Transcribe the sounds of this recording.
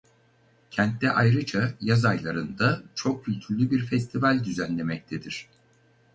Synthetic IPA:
cʰɛnt̪ːɛʔajɾɯt͡ʃʰajazajlˠaɾɯnd̪at͡ʃʰo̞k̚cːylʲt̪ʰyɾlʲybiɾfɛst̪ʰivalʲd̪yzænlʲe̞mɛc̚t̪ʰed̪iɾ̝̥

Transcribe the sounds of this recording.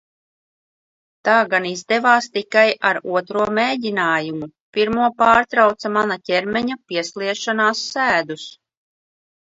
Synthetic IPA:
t̪aːɡanizd̪ɛvaːst̪ikajaɾuɔt̪ɾuɔmeːɟʲinaːjumu | piɾmuɔpaːɾt̪ɾawt̪samanacʲɛɾmɛɲapiɛslˠiɛʃanaːsːæːd̪us

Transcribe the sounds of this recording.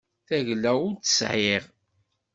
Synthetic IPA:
θæʝlːæʊɾt̪ːə̥sʕeʁ

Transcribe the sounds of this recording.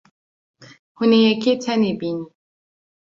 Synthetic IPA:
hunijɛkitʰanibini

